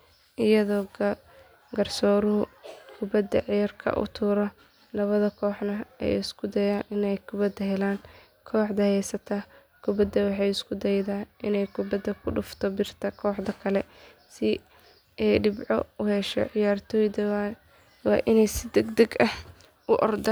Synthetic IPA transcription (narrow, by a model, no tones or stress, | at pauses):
ʔɪjɐðɔːɡ | ɡɐrsɔːɾʊɦʊkʰʊbɐd̪ːɐʕɪjɐrkʰɐ̰ʔʊ̰t̪ʰuːɾɔ | lɐβɐðɐkʰɔːħnɐɛ̰jɪskʰʊd̪ɛjaːnɪnɛjkʰʊbɐd̪ɐɦɛlaːn | kʰɔːħd̪ɐhɛjsɐt̪ʰa | kʰʊbɐd̪ɐwɑħɑjɪskʰʊd̪ɛjðaːʔɪnɛjkʰʊbɐd̪ɐkʰʊɖʊft̪ʰɔbɪrt̪ʰɐkʰɔːħd̪ɐkʰɐlɛ | sɪ | ʔɛjɖɪbʕɔʊhɛʃɔ̰ʕɪjaːrt̪ʰɔːjðɐ | wɑːʔɪnɛjsɪd̪ɛɡd̪ɐɡɐh | ʔʊʔɔrd̪ɐ